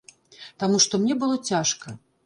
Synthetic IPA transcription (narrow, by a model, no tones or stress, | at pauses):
t̪amuʂt̪ɔmnʲɛbɨlˠɔt͡sʲaʂkɐ